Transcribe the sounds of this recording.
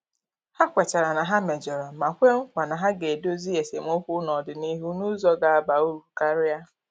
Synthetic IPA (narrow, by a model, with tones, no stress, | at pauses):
ha˦kʷe˨t͡ʃa˨ɾa˨na˨ɦa˦me˨d͡ʒɔ˨ɾa˨ma˨kʷe˦ŋ̩˦kʷa˨na˨ɦa˦ɡe˨do˦zi˦e˨se˨m̩˦ʊ˦kʷʊ˦nɔ˨dɪ˨ni˦ɦu˦nu˦zɔ˦ɡa˨a˨ba˨u˦ɾu˨ka˦ɾɪ˦ja˦